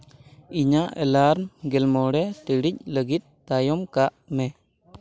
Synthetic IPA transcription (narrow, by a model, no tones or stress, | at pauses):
iɲaʔɛlaɾnɡɛlmɔɽɛt̪əɽic̚ləɡit̪̚ːajɔmkaʔmɛ